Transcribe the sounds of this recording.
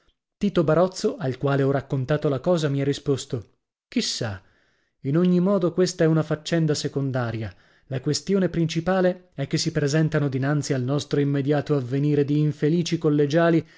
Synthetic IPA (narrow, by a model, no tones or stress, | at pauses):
t̪iːt̪obaɾɔt̪sːoʔalkwaːleɔrakːont̪aːt̪olakɔːzamiɛrːispost̪o | kisːa | inoɲːimɔːd̪okwest̪aɛunafat͡ʃːɛnd̪asekond̪aːɾja | lakwest̪joːnepɾint͡ʃipaːle | ɛkːesːipɾezɛnt̪anod̪inant̪sialnɔst̪ɾoimːed̪jaːt̪oavːeniːɾed̪iːɱfeliːt͡ʃikolːed͡ʒaːli